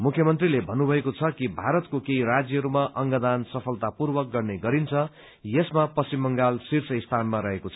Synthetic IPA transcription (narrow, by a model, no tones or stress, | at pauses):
mukʰjʌmʌnt̪rilebʱʌnːubʱʌekot͡sʰʌkibʱaɾʌt̪kokeiɾad͡zjʌɦʌɾumaʔʌŋɡʌd̪ansʌpʰʌlt̪apurbʌk̚ɡʌrneɡʌɾint͡sʰʌ | jesmapʌsimːʌŋɡalsirt͡sʰʌist̪ʰanmaɾʌɦekot͡sʰʌ